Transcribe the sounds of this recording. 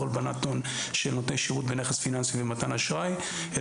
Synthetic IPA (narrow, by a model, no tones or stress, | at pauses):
olbanat̪on | ʃelnotnejʃiʁut̪beneχesfinansibemat̪anaʃʁaj | e